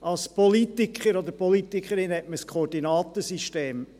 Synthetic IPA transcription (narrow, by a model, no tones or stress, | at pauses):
ɑlspɔlit̪ikχəɾɔd̪əɾpɔlit̪ikχəɾɪnɛtməskʰχɔːɾdinɑːt̪əsiʃteːm